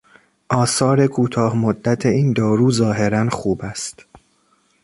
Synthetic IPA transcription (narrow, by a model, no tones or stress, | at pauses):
ʔɒːsɒːɾe̞kʰuːt̪ʰɒːhmod̪ːæt̪ʰeiːnd̪ɒːɾuːzɒːɦe̞ɾænxuːbæst̪